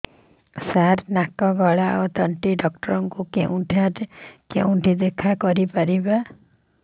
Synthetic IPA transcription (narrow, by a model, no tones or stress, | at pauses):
saɾnakɔɡɔɭaot̪ɔɳʈiɖɔk̚ʈɔɾɔŋkukḛũʈʰaɾkḛũʈʰid̪ekʰakɔɾipaɾiba